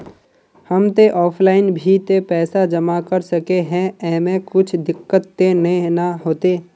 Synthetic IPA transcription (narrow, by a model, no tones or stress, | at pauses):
həmt̪eʔɔːpʰlaːɪnbʱit̪epɛːsad͡ʒəmakəɾsəkeɦɛ̃ɛːmẽkʊt͡ʃʰd̪ɪkːət̪ːennaɦoːt̪eː